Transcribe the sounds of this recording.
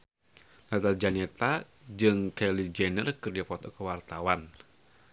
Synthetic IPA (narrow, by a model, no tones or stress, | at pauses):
lat̪ad͡ʒanɛt̪a | d͡ʒɨŋkɛlid͡ʒɛnərkɨrdiapɔt̪ɔkəwart̪awan